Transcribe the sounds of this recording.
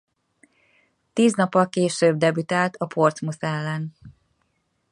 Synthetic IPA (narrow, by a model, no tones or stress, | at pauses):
t̪iːznɒpːɒlkeːʃøːb̚d̪ɛbyt̪aːlt̪ɒpʰo̞rt̪smusɛlːɛn